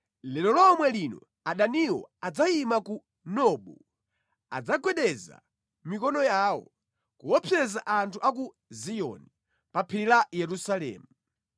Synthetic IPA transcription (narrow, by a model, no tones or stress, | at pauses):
lɛlɔlɔmwɛlinɔ̰ | aɗaniwɔ̰ad͡zaimaku | nɔɓu | a̰d͡zaɡwɛɗɛza̰ | mikɔnɔjaːwɔ̰ | kuwɔpʰɛzaʔantʰuʔaku | zijɔ̰ni | papʰiɾilajɛɾusalɛ̰ːmu